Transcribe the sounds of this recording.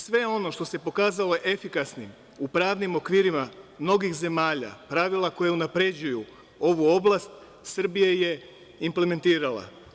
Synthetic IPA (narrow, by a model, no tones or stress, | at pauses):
sʋe̞o̞no̞ʃt̪o̞se̞po̞kaːzalo̞ʔefikasnim | upɾaːʋnimo̞kʋiːɾimamno̞ɡixze̞maːʎa̰pɾaʋilˠako̞jeunapɾe̞d͡ʑuju | o̞ʋuo̞blˠast̪ | sr̩bijaje̞ | imple̞me̞nt̪iːɾala̰